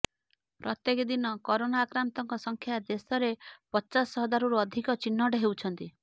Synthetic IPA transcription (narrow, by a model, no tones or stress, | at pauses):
pɾɔt̪jekd̪inɔkɔɾonaːkɾant̪ɔŋkɔsɔŋkʰjad̪esɔɾepɔt͡ʃasɔɦɔd̪aɾuɾuɔd̪ʱikɔt͡ʃinːɔɖeɦewt͡ʃʰɔnt̪i